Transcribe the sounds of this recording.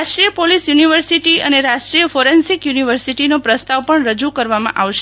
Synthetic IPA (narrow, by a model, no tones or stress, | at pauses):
asʈɾijəpolisjuniʋəɾsiʈiəneɾasʈɾijəfoɾensikjuniʋəɾsiʈinopɾəst̪aʋpəɳɾəd͡ʒukəɾʋamã̰ʔaʋʃe